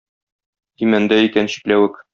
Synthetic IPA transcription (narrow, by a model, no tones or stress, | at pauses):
imænd̪æikænɕi̥t̪læwɘk